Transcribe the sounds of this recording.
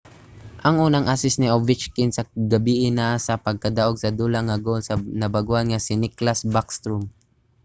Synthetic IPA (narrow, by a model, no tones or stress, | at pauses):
ʔɐŋʔuːnɐŋʔasɪsnɪʔovɪt͡ʃkɪnsɐɡɐbiːʔɪnasɐpɐɡ̚kɐd̪aʔoɡsɐd̪uːlaŋɐɡolsɐnɐbɐɡuʔanŋasɪnɪklasbakst̪ɾʊm